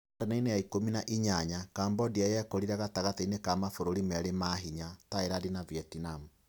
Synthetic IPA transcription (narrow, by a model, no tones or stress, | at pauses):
aɾenainejaikominaʔiɲaɲakaːmbɔdiajɛkɔɾiɾaɣataɣateinekamafoɾoɾimaɾemaɦiɲataeɾadinaviɛtinamu